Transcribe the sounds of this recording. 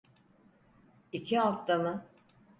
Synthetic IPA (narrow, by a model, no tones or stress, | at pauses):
icʰiaft̪amɯ